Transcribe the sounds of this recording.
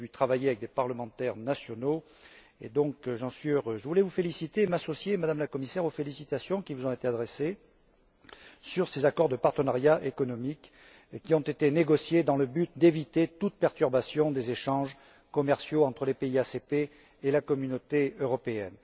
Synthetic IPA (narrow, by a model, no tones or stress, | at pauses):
vit̪χavajeavɛk̚d̪epaʁləmɑ̃t̪ɛʁnasjɔno | ḛd̪ɔ̃kʒɑ̃sɥiøʁøʒəvulɛvufelisit̪eːmasɔsjemad̪amlakɔmisɛʁofelisit̪asjɔ̃kʲivuzɔ̃et̪ead̪ʁese | syʁsezakɔʁd̪əpaʁt̪ənaʁjaʔekɔnɔmik | kʲːiɔ̃t̪et̪eneɡɔsjed̪ɑ̃ləbyt̪̚d̪evit̪et̪ut̪̚pɛʁt̪yʁbasjɔ̃d̪ezeʃɑ̃ʒ | kɔmɛʁsjoɑ̃t̪χəlepeiasepe | elakɔmynot̪eøʁɔpeɛn